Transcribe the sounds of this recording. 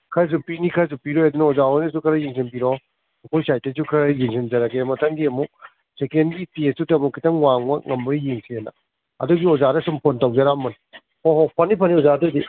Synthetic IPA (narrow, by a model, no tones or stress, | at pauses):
kʰɐɾzupinikʰɐɾzupiɾojɐdunɐozaojnɐs̬ukʰɐɾɐjiŋsenpiɾɔ | ɐkʰojsajtɐsukʰɐɾajiŋsend͡ʒɐɾɐkʰemɐtʰɐŋɡiɐmuk̚ | sekenɡitesutɐmukʰːitɐŋwaŋmɐŋɐmbɐjjiŋsienɐ̰ | ɐ̰duɡiozaɾɐsumpʰontɐwd͡ʒɐɾamɐn | hoɦɔpʰɐnipʰɐniozadudi